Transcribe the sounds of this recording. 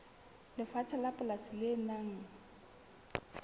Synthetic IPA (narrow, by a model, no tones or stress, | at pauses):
lɪfat͡sʰalapʼʊlasɪlɪnaŋ̩